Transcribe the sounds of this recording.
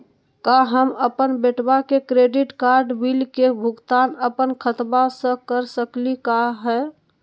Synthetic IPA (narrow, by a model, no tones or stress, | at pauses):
kaɦəməpənbeʈbakekɾeɖiʈkaɾɖbilkebʱuɡt̪anəpənkʰət̪basə̃kəɾsəklikaɦɛ